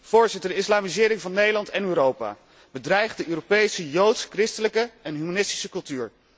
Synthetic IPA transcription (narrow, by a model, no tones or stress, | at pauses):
v̥ʊːɹzɪtədəɪslaːmizɪːɾɪŋvɑnːejdəlɑntɛnøːɾowpa̰ː | bədrɛjχdəʔøːropejsəjowtskrɪstələkəɛnɦymanɪsti̥səkɵlˠtyːɹ